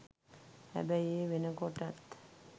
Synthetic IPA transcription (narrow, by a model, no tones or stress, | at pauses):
hæ̰bæjeːʋenəkoʈat̪